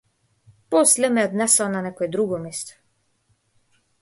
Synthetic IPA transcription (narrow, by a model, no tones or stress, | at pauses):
pɔslɛmɛɔd̪nɛsɔananɛkɔɛd̪ɾuɡɔmist̪ɔ̥